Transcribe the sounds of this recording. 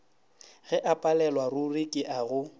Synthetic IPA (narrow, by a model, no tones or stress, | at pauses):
ɣɛʔapʼalɛlwarʊrɪkʼɪʔaɣʊ